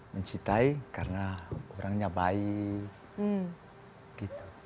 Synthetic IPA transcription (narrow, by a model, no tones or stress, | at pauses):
məɲt͡ʃit̪aikarənaoɾaŋɲabai | ɡ̥it̪u̥